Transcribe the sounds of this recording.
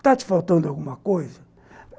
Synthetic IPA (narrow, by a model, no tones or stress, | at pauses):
t̪at͡ʃi̥falt̪ɐ̃nd̪aɣumɐkojzɐ